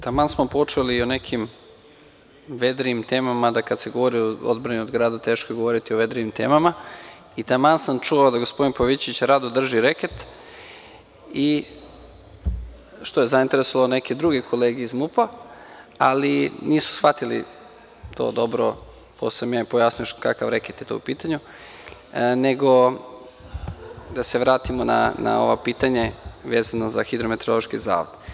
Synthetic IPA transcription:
t̪amaːnsmopo̞t͡ʂeliːonekʰim | ʋed̪ɾiimt̪e̞ːmamad̪akad̪seɡo̞ʋoɾioo̰d̪bɾaniod̪ɡɾaːd̪at̪e̞ːʃkojeɡo̞ʋo̞ɾit̪ioʋe̞d̪ɾiʋimt̪ḛːmama | it̪amansamt͡ʃuʋaod̪aɡospo̞d̪inpoʋit͡ɕit͡ɕɾad̪od̪r̩ʒiɾeket̪ | i | ʃt̪o̞je̞zaint̪e̞ɾesoʋaloneked̪ɾuɡekʰo̞leːɡeizmupa | aliniːsu̥sxfat̪ilḭ | t̪ʰo̞̰d̪o̞bɾo | posemjapojasnujoʃkakaʋɾeket̪jet̪o̰upiːt̪aɲu | neɡo̞ | d̪aseʋɾaːt̪imona̰na̰o̰ʋopiːt̪aɲeʋeːzanozaxid̪ɾo̞met̪eɾolˠoʃkiza̰ːʋod̪

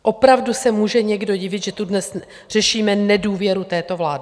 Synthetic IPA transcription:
ʔo̞pɾavdusɛmuːʒɛɲɛɡdo̞ɟɪvɪt̪ʒɛt̪udnɛs | r̝̥ɛʃiːmɛnɛduːvjɛɾut̪ɛːt̪o̞vlaːdɪ

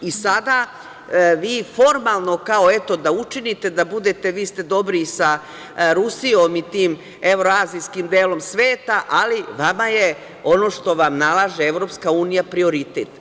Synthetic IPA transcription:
isad̪a | ʋiːfo̞ɾmalˠno̞kao̞e̞t̪o̞d̪aut͡ʃinit̪e̞d̪abud̪e̞t̪e̞ʋiːst̪e̞d̪o̞bɾisa | ɾusio̞mit̪iːm | e̞ʋɾoaːzijskimd̪eːlo̞msʋeːt̪aʔaliʋamaje | o̞no̞ːʃt̪o̞ʋamnalˠaːʒeeʋɾo̞ːpskauːnijapɾio̞ɾit̪eːt̪

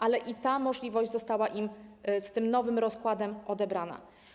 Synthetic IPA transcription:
ʔalɛʔit̪amɔʐlʲivɔʑd͡ʑzɔst̪awaʔimst̪ɘmnɔvɘmɾɔskwad̪ɛmɔd̪ɛbɾana̰

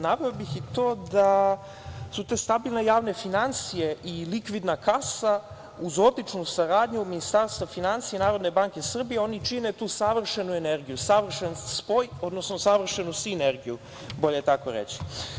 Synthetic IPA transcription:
naʋeobixit̪o̞ːd̪a | sut̪e̞ːst̪abilˠne̞jaːʋne̞finant̪sijeʔilikʋid̪nakʰasa | uzo̞d̪lit͡ʃnusaɾaːd̪ɲuminist̪aɾst̪vafinant̪sienaːɾo̞d̪ne̞baŋke̞sr̩bijeo̞nit͡ʃine̞t̪uːsaʋr̩ʃenuene̞ɾɡijusaʋr̩ʃenspo̞jo̞d̪nosnosaʋr̩ʃenusineɾɡiju | bo̞ʎet̪ako̰ɾḛt͡ɕi̥

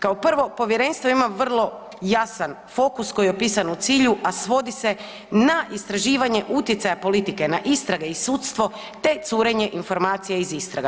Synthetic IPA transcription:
kaopr̩ʋo̞po̞ʋje̞ɾe̞nst̪ʋoimaʋr̩lˠo̞ | jasan | fo̞kusko̞jeopiːsanut̪siːʎuʔasʋo̞d̪ise̞ | naʔist̪ɾaʒiːʋaɲe̞ʔut̪jet̪sajapo̞lit̪ike̞naʔist̪ɾaɡe̞isut̪st̪ʋo̞ | t̪e̞t̪suːɾe̞ɲe̞ʔinfo̞ɾmaːt̪sijeizist̪ɾaɡa

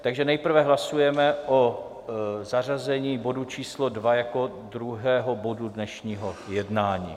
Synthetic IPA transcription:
t̪aɡʒɛnɛjpr̩vɛɦlasujɛmɛʔo | zarazɛɲiːbo̞dut͡ʃiːslodvajako̞ | d̪ɾuɦɛːɦobo̞dudnɛʃɲiːɦojɛdnaːɲḭː

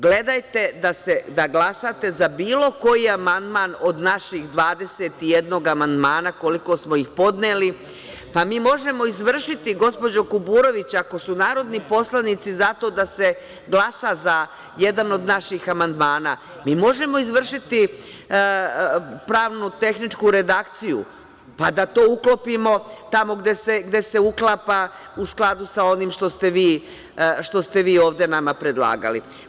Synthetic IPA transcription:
ɡle̞d̪ajt̪e̞d̪ase̞d̪aɡlˠasat̪e̞zabiːlˠo̞ko̞jiamand̪maːno̞d̪naʃiɣd̪ʋaːd̪e̞set̪ijed̪no̞ːɡamand̪maːnako̞liko̞smo̞ixpo̞d̪neːli | pamiːmo̞ʒe̞mo̞izʋr̩ʃit̪iɡo̞spo̞d͡ʑo̞kubuːɾo̞ʋit͡ɕako̞sunaːɾo̞d̪nipo̞slˠanit̪sizat̪o̞d̪ase̞ | ɡlˠasaza | je̞d̪ano̞d̪naʃixamand̪maːna̰ | miːmo̞ʒe̞mo̞izʋr̩ʃit̪i | pɾaːʋnut̪e̞xnit͡ʃkuɾe̞d̪akt̪sijṵ | pad̪at̪o̞ːuklo̞pimo̞t̪amo̞ɡd̪e̞seɡd̪e̞se̞uklˠapa | usklˠad̪usao̞nimʃt̪o̞st̪e̞ʋiː | ʃt̪o̞st̪e̞ʋiːo̞ːʋd̪e̞namapɾe̞d̪lˠa̰ːɡa̰lḭ

